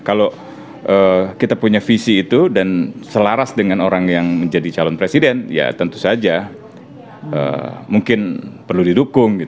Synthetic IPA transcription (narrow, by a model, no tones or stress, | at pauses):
kalo | ʔəkit̪apuɲafisiːt̪udansəlaɾasdəŋanoɾaŋjaŋməɲd͡ʒadit͡ʃalɔnpɾesidɛnja̰t̪ənt̪u̥sad͡ʒa | ə̰muŋkɪnpərludidukʊŋɡit̪